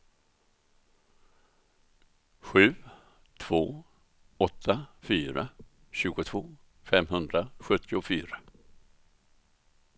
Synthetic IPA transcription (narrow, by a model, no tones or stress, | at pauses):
ɧʉ̟ː | t̪ʰv̥oː | ɔt̪ʰːafyːɾa̰ | ɕʉ̟ːɡʊt̪ʰv̥oː | fɛmɦɵnd̪ɾaɧɵt̪ʰːɪʊfyːɾa